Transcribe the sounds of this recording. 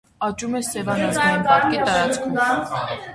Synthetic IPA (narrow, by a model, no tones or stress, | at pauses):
ɑt͡ʃumɛsɛvɑnɑsainɑɾkit̪ɑɾɑt͡skʰu